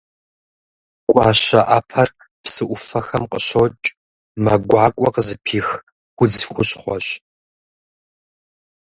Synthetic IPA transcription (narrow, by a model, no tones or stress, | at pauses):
kʷʼɑːɕɐʔɐpʰɐr | psɨʔʷʊfɐxɐmqəɕot͡ʃʼ | mɐɡʷɑːkʷʼɔqzɨpʰiːx | ɡʷʊd͡zxʷʊɕχʷɔɕ